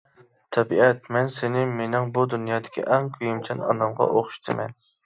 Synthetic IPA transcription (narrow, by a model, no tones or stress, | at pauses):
t̪ʰɛbiɛt̪mɛnsenɪmenɪŋbud̪unjɑːd̪ɪ̥kʲʰḭʔɛŋkʲʰyjimt͡ʃʰɛnɑ̰nɑmʁɑ̰ʔoχʃt̪ʰɨmɛ̰n